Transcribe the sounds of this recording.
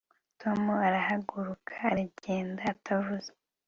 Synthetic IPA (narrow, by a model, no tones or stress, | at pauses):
tʰo̞muaɾahaɡuɾukʰḁːɾiɟe̞ːndaːtʰavuze̥